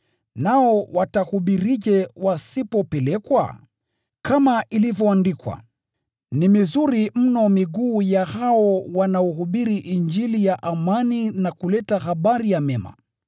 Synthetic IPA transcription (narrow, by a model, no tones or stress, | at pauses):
naɔwatahuɓiɾiʄɛwasipɔpɛlɛkwa̰ | kamaʔilivjɔandikwa̰ | nimizuɾim̩nɔmiɡuːjahaɔwanaɔhuɓiɾiʔind͡ʒilijaʔamaninakulɛtahaɓaɾijamɛma̰